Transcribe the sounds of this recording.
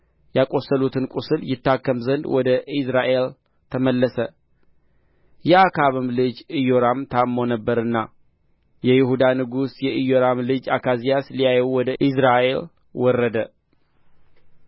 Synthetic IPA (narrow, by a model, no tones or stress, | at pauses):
jakʼo̞sːəlut̪ʰɨnkʼusɨljɪt̪ːakːəmzənd̪wɔd̪əʔisɾaʔe̞l | t̪ʰəməlːəsə | jɛakʰaβɨmlɨd͡ʒɨjoɾamt̪ʰamːo̞nəbːəɾɨnːa̰ | jɛjɪhud̪anɨɡusjɛɨjoɾamlɨd͡ʒakʰazijaslijajɛwwɔd̪əʔisɾaʔe̞l | wɔrːəd̪ə